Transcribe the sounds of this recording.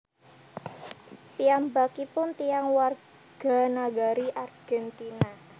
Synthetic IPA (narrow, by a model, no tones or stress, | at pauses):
piambakipʊnt̪ijaŋwar | ɡ̥a̤naɡaɾiʔarɡ̥ɛnt̪ina